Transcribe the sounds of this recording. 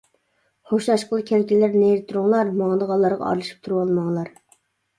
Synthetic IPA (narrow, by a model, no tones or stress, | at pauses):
χoʃlˠɑʃqʰəlˠɨkʲʰɛlkʲilæɾneɾɪt̪ʰːuɾʊŋlˠɑɾmɑŋd̪əʁɑlˠːɑɾʁɑ̰ɑ̰ɾlˠɨʃi̥p̚t̪ʰuɾuwɑlˠmɑŋlˠɑɾ